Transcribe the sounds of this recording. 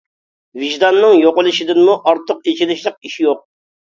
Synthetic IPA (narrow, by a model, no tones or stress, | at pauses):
viʒd̪ɑnːɨŋjoqʊlˠɨʃid̪ɪnmuʔɑɾt̪ʰːəqet͡ʃʰinɪʃlˠɪq̚iʃijoq̚